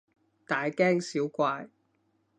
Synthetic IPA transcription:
t̪aː˨jkɛː˥ŋsiː˨˥wkʷaː˧j

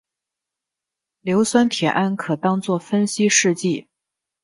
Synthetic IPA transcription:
ljo˧˥ʊswa˥nt̪ʰjɛ˨˩ʔa˥˩nkʰɤ˨˩t̪ɑ˥ŋt͡swɔ˥˩fə˥nɕi˥ʂɻ̩˥˧t͡ɕi˥˩

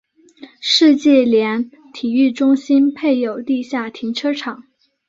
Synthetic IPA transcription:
ʂɻ̩˥˧t͡ɕjɛ˥˩ljɛ˧˥n | t̪ʰi˨˩y˥˩ʈ͡ʂʊ˥ŋɕi˥npʰe˥˩ɪjo˨˩ʊt̪i˥˧ɕja˥˩t̪ʰi˧˥ŋʈ͡ʂʰɤ˥ʈ͡ʂʰɑ˨˩˦ŋ

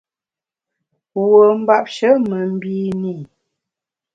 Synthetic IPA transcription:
wə˨m̩˦ba˦p̚ʃə˨˦mə˨m̩˦bi˦ni˦˨

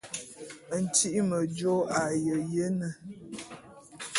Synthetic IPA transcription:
n̩˨ti˦ʔmə˨d͡ʒo˦a˨jə˨je˦nə˨

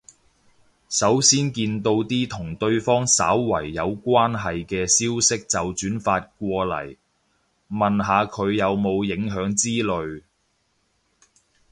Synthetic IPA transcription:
sɐ˨˥wsiː˥nkiː˧nt̪o˧wt̪iː˥t̪ʰʊ˨˩ŋt̪ɵ˧ɥfɔː˥ŋsa̰ː˨˥wːɐ̰˨˩jːɐ˨˧wkʷaː˥nɦɐ˨jkɛː˧siː˥wsɪ˥k̚t͡sɐ˨wt͡ʃyː˨˥nfaː˧t̚kʷɔː˧lɐ̰˨˩j | mɐ˨nɦaː˨˧kʰɵ˨˧ɥjɐ˨wmo˨˧wjɪ˨˥ŋɦœː˨˥ŋt͡siː˥lɵ˨ɥ

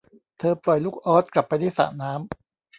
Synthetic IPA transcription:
t̪ʰɤː˧plɔ˨˩jluː˦˥˩k̚ʔɔː˦˥t̪̚kla˨˩pːa˧jda˥˩jsa̰ː˨˩ʔnaː˦˥m

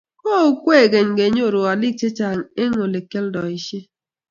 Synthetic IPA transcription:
kɔː˦o˦kʷe˦e˨ɡe˨ŋ̩˨ɡe˨ɲ˦o˦˨ɾo˨a˨li˦k̚t͡ʃe˦t͡ʃa˨e˦ŋo˨le˨ke˦l̩˦dɔ˨i˦˨ʃe˦

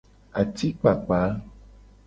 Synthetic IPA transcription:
a˨t̪i˦k͡pa˨k͡pa˨˦

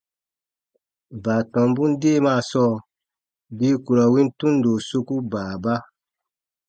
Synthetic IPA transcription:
baː˨tɔ̃˨mbũ˦n˦deː˦˨maː˦˨sɔː˦˨ | bi˦ku˨ɾa˨wĩ˦ntũ˦n˦do˨so˧ku˦baː˨ba˦

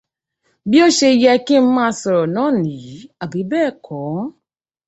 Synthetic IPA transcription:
bi˦o˦ʃe˧jɛ˧ki˦m̩˦mãː˦sɔ˧ɾɔ˨nãː˦˨nĩ˨i˨˦a˨bi˨˦bɛː˦˨kʰɔ̃˨˦

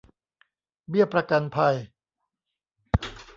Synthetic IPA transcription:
bi˥˩ɐpɾa˧ka˧npʰa˧j

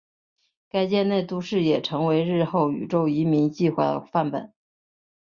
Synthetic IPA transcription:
ka˥ɪt͡ɕjɛ˥˧ne˥˩ɪt̪u˥ʂɻ̩˥˩jɛ˨˩ʈ͡ʂʰɤ˧˥ŋwe˧˥ɪɻɻ̩˥˧xo˥˩ʊy̰˨˩ʈ͡ʂo˥˩ʊi˧˥mi˧˥ŋt͡ɕi˥˧xwa˥˩d̪ə̰˩fa˥˩npə̰˨˩˦

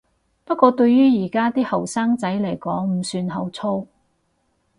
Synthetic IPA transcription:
pɐ˥t̚kʷːɔː˧t̪ɵ˧ɥjyː˥jiː˨˩kaː˥t̪iː˥hɐ˨˩wsaː˥ŋt͡sɐ˨˥jlɐ˨˩jkɔː˨˥ŋm̩˨˩syː˧nɦɐ˨˧wt͡sʰo˥w

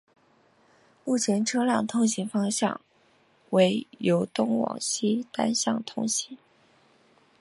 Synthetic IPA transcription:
mu˥˩t͡ɕʰjɛ˧˥nʈ͡ʂʰɤ˥ljɑ˨˩ŋt̪ʰʊ˥˩ŋɕi˧˥ŋfɑ˥ŋɕjɑ̰˥˩ŋ | we˧˥ɪjo˧˥ʊt̪ʊ˥ŋwɑ̰˨˩ŋɕi˥t̪a˥nɕjɑ̰˥˩ŋt̪ʰʊ˥˩ŋɕi˧˥ŋ

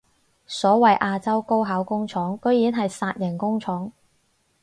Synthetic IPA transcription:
sɔː˨˥wɐ˨jʔaː˧t͡sɐ˥wko˥wɦaː˨˥wkʊ˥ŋt͡ʃʰɔː˨˥ŋkɵ˥ɥjiː˨˥nɦɐ˨jsaː˧t̚jɐ˨˩ŋkʊ˥ŋt͡ʃʰɔː˨˥ŋ

